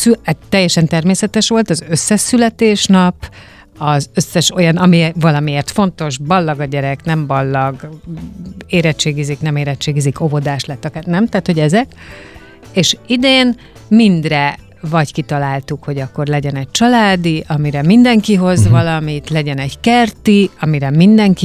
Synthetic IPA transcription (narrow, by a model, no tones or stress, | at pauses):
syt̪ːɛjːɛʃɛnt̪ɛrmeːsɛt̪ɛʃʋo̞lt̪ɒzøsːɛʃsːylɛt̪eːʃnɒp | ɒzø̞sːɛʃo̞jɒnɒmivɒlɒmieːrt̪fo̞nt̪o̞ʃbɒlːɒɡɒɟɛɾɛknɛmbɒlːɒɡ | eːɾɛt͡ʃeːɡiziknɛmeːɾɛtt͡ʃːeːɡizikʰo̞vo̞d̪aːʃlɛt̪ːɒkaːnɛmt̪aːt̪ho̞ɟɛzɛk | eːʃid̪eːn | mind̪rɛ | vɒɟkit̪ɒlaːlt̪ukho̞ɟɒkːo̞rlɛɟɛnɛɟ̚t͡ʃɒlaːd̪iʔɒmiɾɛmind̪ɛŋkiɦo̞zvɒlɒmit̪lɛɟɛnɛɟkɛrt̪iɒmiɾɛmind̪ɛŋki